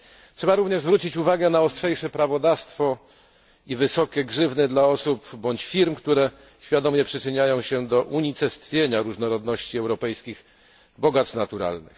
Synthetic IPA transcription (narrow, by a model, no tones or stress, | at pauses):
tʂɛbaɾuvɲɛʐzvɾut͡ɕit͡ɕuvaɡɛnaɔstʂɛjʂɛpɾavɔd̪afst̪fɔ | ivɘsɔkʲɛɡʐɘvnɛd̪laɔsupbɔɲt͡ɕfʲiɾmkt̪uɾɛ | ɕfʲjad̪ɔmʲɲɛpʂɘt͡ʂɘɲajɔ̃w̃ɕɛd̪ɔʔuɲit̪sɛst̪fʲjeɲaɾuʐnɔɾɔd̪nɔɕt͡ɕiɛwɾɔpɛjskʲix | bɔɡat̪snat̪uɾa̰lnɘ̰x